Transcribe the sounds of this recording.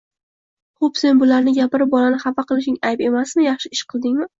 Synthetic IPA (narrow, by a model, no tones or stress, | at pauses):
χopse̞nbʊlaɾnɪɡʲapɪɾɪp̚bɒlanɪχapaqɨlˠɪʃɪŋajbe̞masmɪjɑχʃɪɪʃqʰɨlˠd̪ɪŋmɪ